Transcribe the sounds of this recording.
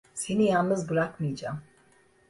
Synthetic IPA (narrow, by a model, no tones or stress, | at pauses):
se̞nijanˠnɯzbɯɾakmɯjd͡ʒaːm